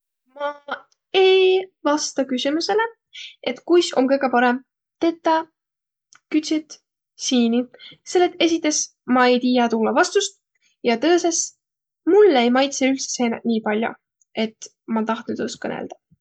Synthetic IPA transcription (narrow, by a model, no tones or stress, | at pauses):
mɑ | e̞jvɑst̪ɑkysʲimuse̞le | e̞t̪kujso̞̰mkɤjɡ̥e̞pɑɾe̞m | t̪e̞t̪ːˑɑ | kyt̪sʲit̪ | siːnise̞lːet̪ːˑe̞sit̪ːˑe̞s | mɑe̞jt̪iːjɑt̪ulːɑvɑst̪ust̪̚ | jɑt̪ɤːse̞s | mulːejmɑjt̪seylt̪se̥seːnɑnʲiːpɑlʲjo̰ | e̞t̪ | mɑt̪ɑht̪nyd̪̥oskɤnḛld̪̥ɑ̥